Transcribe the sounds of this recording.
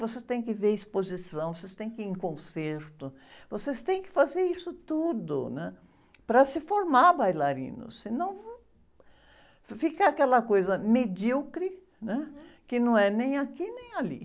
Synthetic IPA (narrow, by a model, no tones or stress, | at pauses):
vosest̪ẽj̃kɪveɾispozisɐ̃w̃vosest̪ẽj̃kɪẽkõseɾt̪ʊ | vosest̪ẽj̃kɪ̥fazeɾisʊt̪ud̪ʊ̰nɛ̃ | pɾɐsɪfoɾmaɾbajlaɾḭ̃nʊ̰sɪnɐ̃w̃v | fikɐakɛlɐkojzɐmed͡ʒuwkɾɪ | nɛkɪnɐ̃w̃ɛnẽj̃akinẽj̃alḭ